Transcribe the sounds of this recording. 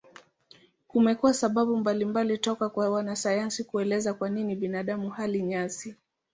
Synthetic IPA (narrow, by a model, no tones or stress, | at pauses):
kumɛkuwasaɓaɓumbalimbalitɔkakwawanasajansikuɛlɛzakwaniniɓinaɗamuhaliɲasi